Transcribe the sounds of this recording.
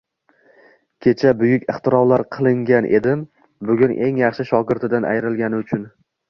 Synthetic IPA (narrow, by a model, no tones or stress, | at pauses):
kʲʰe̞t͡ʃʰabʊjʊkʲɨχt̪ʰɪɾɒwlaɾqʰɨlˠɪŋɡʲanʔe̞d̪ɪm | bʊɡʲʊnʔe̞ŋjɑχʃɪʃɒɡʲɪɾt̪ʰɪd̪anʔa̰jɾɪlˠɡʲanɪʊt͡ʃʰʊn